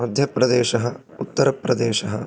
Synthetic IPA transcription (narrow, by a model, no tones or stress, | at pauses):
ɐd̪ʱjɐpɾɐd̪eːʃɐɦɐ̆ | ut̪ːɐɾɐpɾɐd̪eːʃɐɦɐ̆